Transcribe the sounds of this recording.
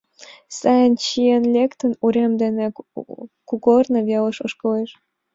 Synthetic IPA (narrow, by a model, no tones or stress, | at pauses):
sɑjənt͡ɕienlʲekt̪ənuɾemd̪ene | kukornəβelə̆ʃoʃkəleʃ